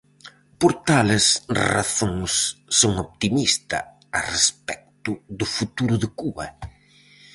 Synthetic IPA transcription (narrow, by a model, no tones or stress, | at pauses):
poɾt̪alɪsra̰θõŋsːoŋopt̪imist̪ɐ̰ | arespɛk̚t̪ʊðʊfut̪uɾʊðɪkuβɐ̰